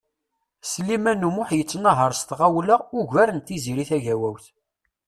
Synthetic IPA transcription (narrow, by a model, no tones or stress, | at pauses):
slːimænumʊħjət͡sːnɑɦəɾˤst̪ʁawləʁʊʝvæɾənt̪iziɾiθæʝæwæwθ